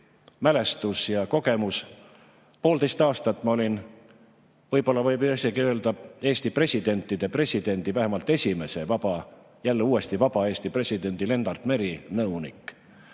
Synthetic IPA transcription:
mæle̞st̪usjɑko̞ɡ̥e̞mus | po̞ːld̪e̞jst̪ɑːst̪ɑt̪ːˑmɑo̞lʲin | vɤjbo̞lːɑvɤjbɑseɡiøe̞ld̪̥ɑe̞ːst̪ipre̞sʲid̪̥e̞nʲt̪ˑːid̪̥e̞pre̞sʲid̪̥e̞nʲd̪̥ivæɦemɑlt̪ːˑe̞sʲime̞se̞vɑb̥ɑ | jælːeuːe̞st̪ivɑb̥ɑe̞ːst̪ipre̞sʲid̪̥e̞nʲd̪̥ile̞nd̪ɑrt̪me̞ɾinɤwnḭkːˑ

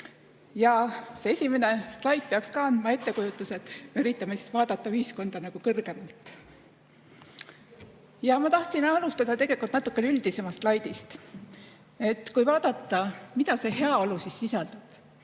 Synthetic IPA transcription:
jɑse̞e̞sʲime̞ne̞stlɑjt̪̚ˑpeɑkskɑɑnd̪̥mɑe̞t̪ːe̞kujut̪ːˑuse̞t̪meyɾit̪ːˑɑmesi̥svɑːd̪̥ɑt̪ːˑɑyhisko̞nd̪̥ɑnɑɡ̥ukɤrɡ̥e̞mɑlt̪ˑ | jɑmɑt̪ɑht̪sinɑlust̪ɑd̪̥ɑt̪e̞ɡ̥e̞likult̪nɑt̪ːˑu̥kːˑeneyld̪̥ise̞mɑst̪lɑjd̪̥ist̪ | e̞t̪ːkujvɑːd̪̥ɑt̪ˑːɑmid̪̥ɑse̞ɦe̞ɑo̞lusisːisɑld̪̥ub̥

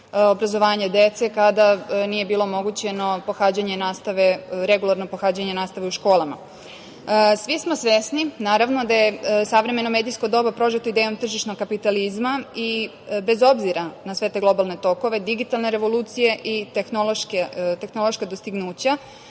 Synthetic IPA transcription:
obɾazo̞ʋaːɲed̪et̪sekad̪anije̞biːlˠo̞mo̞ɡut͡ɕe̞no̞po̞xaːd͡ʑaɲe̞naːst̪aʋeɾeɡulˠaɾno̞poxaːd͡ʑaɲenaːst̪aʋeuʃko̞ːlˠama̰ | sʋismosʋesninaːɾaʋno̞d̪ajesaʋɾe̞me̞nomeːd̪ijskod̪o̞ːbapɾo̞ʒet̪oid̪ejo̞mt̪r̩ʒiʃnoɡkːapit̪alizmai | be̞zo̞bziɾanasʋe̞t̪e̞ɡlˠo̞balˠne̞t̪o̞ko̞ʋe̞d̪iɡit̪alne̞ɾe̞ʋo̞luːt̪sije̞ʔit̪exnolˠoʃket̪exnolˠoʃkad̪o̞st̪iɡnuːt͡ɕa

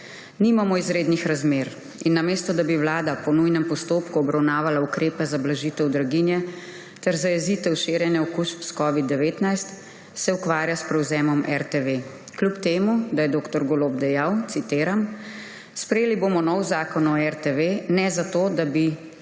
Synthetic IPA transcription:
niːmamɔizɾeːd̪nixɾazmeːɾ | inːameːst̪ɔd̪abiʋlaːd̪apɔnujnɛmpɔst̪oːpkuɔbɾawnaːʋalaukɾeːpɛzablaʒit̪ɛwd̪ɾaɡinjɛ | t̪ɛɾzajɛziːt̪ɛwʃeːɾjɛnjɛɔkuːʃpskɔʋid̪ːɛʋeːt̪najst̪ | sɛukʋaːɾjaspɾɛwzɛːmɔmʔɛɾt̪eʋe | klupt̪eːmud̪ajɛd̪oːkt̪ɔɾɡoloːbd̪ɛjawt̪sit̪eːɾam | spɾɛjeːliboːmɔnɔwzaːkɔnɔɛɾt̪eʋenɛzat̪oːd̪abi

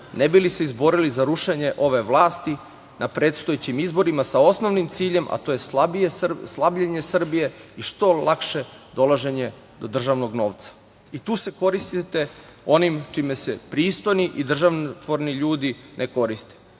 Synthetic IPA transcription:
nebiliseizbo̞ɾilizaɾuʃeɲe̞ʔo̞ʋe̞ʋlˠaːst̪i | nʔapɾeːt̪st̪ojet͡ɕimizbo̞ɾimasao̞sno̞ʋnimt̪siːʎe̞mʔa̰t̪ojesabijeslˠabʎeɲe̞sr̩bije̞iʃt̪o̞lˠakʃe̞d̪o̞lˠaʒe̞ɲe̞ | d̪o̞d̪r̩ʒaʋno̞ɡno̞ːʋt̪sḁ | it̪uːse̞ko̞ɾist̪it̪e̞ | o̞nimt͡ʃimesepɾiːst̪o̞jniʔid̪r̩ʒaʋnt̪ʋoɾniʎuːd̪inʔeko̞ɾist̪e̥

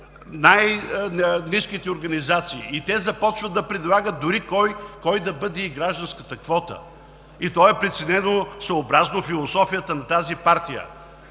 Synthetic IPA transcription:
naj | niskit̪ɛoɾɡɐnizat̪siːt̪ɛzɐpɔt͡ʃvəd̪ɐpɾɛd̪lˠaɡət̪̚d̪ʊɾikɔjkɔjd̪ɐbɤd̪ɛiɡɾaʒd̪ɐ̃nskət̪əkvɔt̪ə̰ | it̪ɔɛpɾɛt̪sɛnɛnosɐobɾaznofilˠosɔfijət̪ənɐt̪azipaɾt̪ijə̰

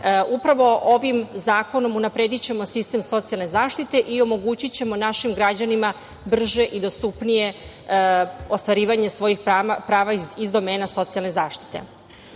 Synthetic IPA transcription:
upɾaʋo̞ʔo̞ʋimzaːko̞no̞munapɾe̞d̪it͡ɕe̞mo̞sist̪e̞mso̞t̪sialne̞zaːʃt̪it̪e̞ʔio̞mo̞ɡut͡ɕit͡ɕe̞mo̞naʃimɡɾad͡ʑanima | br̩ʒe̞ʔid̪o̞st̪upnije̞ | o̞st̪ʋaɾiːʋaɲe̞sʋo̞jixpapɾaːʋaizd̪o̞me̞ːnaso̞t̪sialne̞zaːʃt̪i̥t̪e̞̰

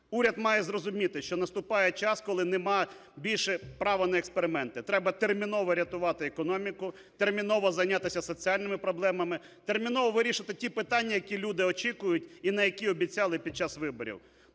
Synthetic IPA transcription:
uɾʲɐd̪mɑjɛzrɔzʊmʲit̪ɪʃt͡ʃɔnɐst̪ʊpɑjɛt͡ʃɑskɔlˠɪnɛmɑ | bʲilʲʃɛpɾɑʋɐnɐekspeɾɪmɛnt̪ɪt̪ɾɛbɐt̪ermʲinɔʋɔɾʲɐt̪ʊʋɑt̪ɪekɔnɔmʲikʊ | t̪ermʲinɔʋɔzɐjnʲat̪ɪsʲɐsɔt͡sʲialʲnɪmɪpɾɔblˠɛmɐmɪ | t̪ermʲinɔʋɔʋɪɾʲiʃɪt̪ɪtʲipɪt̪ɑnʲːɐjɐkʲilʲud̪ɪɔt͡ʃʲikʊjʊtʲinɐjɐkʲiɔbʲitʲt͡sʲɑlˠɪpʲid̪̚t͡ʃɑsʋɪbɔɾʲḭw

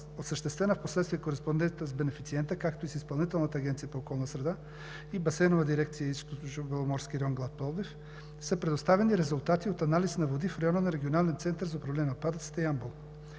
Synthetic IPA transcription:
osəʃt̪ɛst̪vɛnəfposlɛt̪st̪viɛkoɾɛspond̪ɛnt̪t̪əzbɛnɛfit̪siɛnt̪əkakt̪oisispɐlˠnit̪ɛlˠnət̪əaːɡɛnt̪sijapoːkɔlˠnɐsɾɛd̪a | ibɐsɛnovad̪iɾɛkt̪sijaist̪t̪ooʒvɛlˠomɔɾskʲiɾɛɔŋɡlˠat̪̚pɔlˠd̪if | səpɾɛd̪ost̪avɛniɾɛzulˠt̪at̪iot̪analisnɐvod̪ifɾɛjɔnənaɾɛɡʲionalɛnt̪sɛnt̪əɾzɐopɾɐvlɛnʲiot̪̚pad̪ət̪sɛ̥t̪ɛiambolˠ

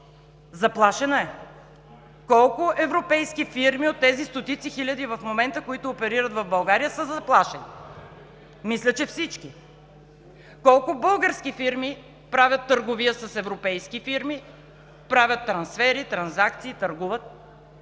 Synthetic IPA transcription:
zɐplˠaʃɛnɐɛ | kɔlˠkʊʔɛvɾopɛjskifiɾmiot̪ːɛzist̪ot̪it̪sixilʲɐd̪ivəfmomɛnt̪əkoit̪ʊːpɛɾiɾət̪vɐvbɐlˠɡaɾijəsəzɐplˠaʃɛni | mislʲət͡ʃɛfsit͡ʃki | kɔlˠkʊbɤlˠɡəɾskifiɾmi | pɾavʲət̪ːəɾɡoviəsɐsɛvɾopɛjskifiɾmi | pɾavʲjət̪ːɾɐnsfɛɾit̪ɾɐnzak̚t̪siːt̪ɐɾɡuvət̪̚

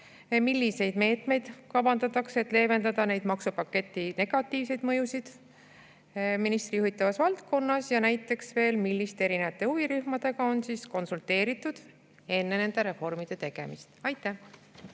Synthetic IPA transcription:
milʲːise̞jd̪̥me̞ːt̪me̞jd̪̥kɑbɑnd̪ɑt̪ːˑɑkse̞t̪ːˑle̞ːve̞nd̪ɑd̪ɑne̞jd̪̥mɑksupɑkːe̞t̪ːine̞ɡ̥ɑt̪ːˑiːvse̞jd̪̥mɤ̞jusid̪̥ | minist̪rijuhit̪ːˑɑvɑsvɑlt̪ko̞nːɑsjɑnæjt̪ːˑe̞ksve̞ːlmilʲːist̪e̞ɾinevɑt̪ːˑe̞uviɾyhmɑd̪̥e̞ɡ̥ɑo̞nsiːsko̞nsult̪e̞ːɾit̪ːˑud̪̥ | e̞nːe̞ne̞nd̪̥e̞ɾe̞fo̞rmid̪̥e̞t̪e̞ɡ̥e̞̰mist̪ɑjt̪ːˑæh

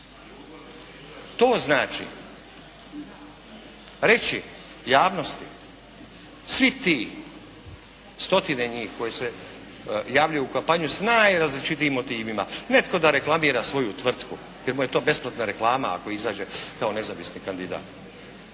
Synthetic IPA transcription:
t̪oːznaːt͡ʃḭ | ɾe̞t͡ɕi | jaːʋno̞st̪i | sʋit̪iː | st̪o̞t̪ineɲiːxko̞jese | jaːʋʎujuukampaɲjusnajɾazlit͡ʃit̪iːmːo̞t̪iːʋimane̞t̪ko̞d̪aɾe̞klˠamiːɾasʋo̞jut̪ʋr̩t̪ku | jeɾmuje̞t̪o̞ːbe̞splˠat̪naɾe̞klˠaːmaa̰ko̞izaːd͡ʒe̞kao̞ne̞zaʋisnikand̪id̪a̰ːt̪

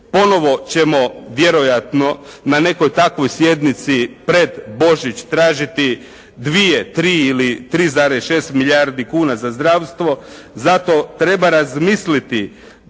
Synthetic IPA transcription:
po̞no̞ʋo̞t͡ɕe̞mo̞ʋje̞ɾo̞jat̪no̞nane̞ko̞jt̪akʋo̞jsje̞d̪nit̪sipɾe̞d̪bo̞ʒit͡ɕt̪ɾaːʒit̪i | d̪ʋijet̪ɾiːilit̪ɾiːzaːɾesʃe̞ːst̪miʎaɾd̪ikuːnazazd̪ɾaːʋst̪ʋo̞ | zat̪o̞t̪ɾe̞baɾazmislit̪i

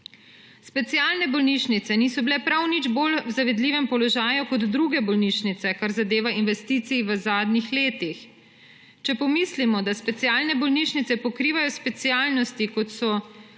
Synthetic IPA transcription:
spɛt̪sijaːlnɛbɔlniʃnit̪sɛniːsɔbilɛpɾawnid͡ʒboːlwzaʋɛd̪liːʋɛmpɔlɔʒaːjukɔd̪ːɾuɡɛbɔlniʃnit̪sɛkaɾzad̪eːʋainʋɛst̪iːt̪siʋəzaːd̪nixleːt̪ix | t͡ʃɛpɔmiːslimɔd̪aspɛt̪sijaːlnɛbɔlniːʃnit̪sɛpɔkɾiːʋajɔspɛt̪siaːlnɔst̪ikɔt̪sɔ

